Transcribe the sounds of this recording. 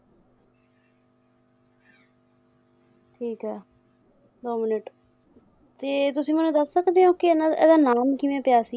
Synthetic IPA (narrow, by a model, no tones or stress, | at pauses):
ʈʰiːkɦɛː | d̪oːmɪnəʈ | t̪eːt̪ʊsĩːmʊnẽːd̪əsːəkd̪eːɦõːkɪnɛ̰ːd̪aːnaːmkɪʋẽːpjaːsi